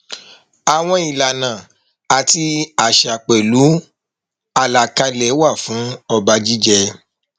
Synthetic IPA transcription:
a˨w̃ɔ̃˦i˨la˨nã˨ | a˨ti˧a˨ʃa˨k͡pɛ˨lu˨˦ | a˧la˨ka˧lɛ˨˦wa˦˨fũ˨˦ɔ˧ba˧d͡ʒi˦d͡ʒɛ˧

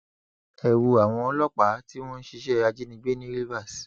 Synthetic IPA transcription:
ɛ˨wu˨a˨w̃ɔ̃˧ɔ˧˦lɔ˦k͡pa˨˦ti˦w̃ɔ̃˦n̩˦ʃi˧˦ʃɛ˦˧a˧d͡ʒi˦nĩ˧˦ɡ͡be˦nĩ˦ɾi˦va˦˨s

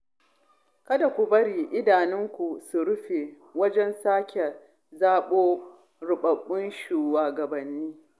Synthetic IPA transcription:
kɐ˦da˨kʷu˨bɐ˦ɽiː˨ʔɪ˦daː˨nɪ˦ŋkʷu˨su˨ɽʊ˦ɸe˨ | wɐ˦d͡ʒɛ˦nsaː˦kʲɛ˨ | zaː˦ɓoː˦ | ɾʊ˨ɓɐ˨ɓːʊ˦nʃuː˨waː˨ɡɐ˨bɐ˨nːiː˦

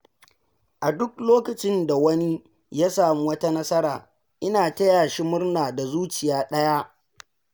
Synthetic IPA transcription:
ʔa˨dʊ˦kloː˦kɐ˨t͡ʃɪ˦nda˨wɐ˦ni˦ | ja˦saː˨mu˦wɐ˦ta˦nɐ˦sɐ˦ɾaː˨ | ʔɪ˦naː˨tɐ˦jaː˨ʃi˦mʊ˦rnaː˨da˨zuː˦t͡ʃɪ˨jaː˦ɗɐ˦ja˦

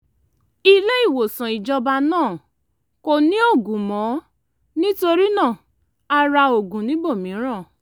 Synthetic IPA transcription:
i˧le˦i˦˨wo˨sã˨i˨d͡ʒɔ˧ba˧nãː˦˨ | ko˧nĩ˦o˦˨ɡũ˨mɔ̃˨˦ | nĩ˦to˧ɾi˦nã˦˨ | a˧ɾa˧o˨ɡũ˨nĩ˨˦bo˦˨mĩ˨˦ɾ̃ã˦˨

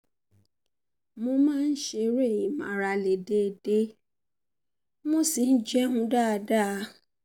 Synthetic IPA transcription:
mõ˧mãː˦n̩˦ʃe˧ɾe˦˨i˨mã̰˨ɾa˧le˨de˦˨de˦ | mo˦si˨˦n̩˦d͡ʒɛ˦hũ˧˦da˦a˧da˦˧˦

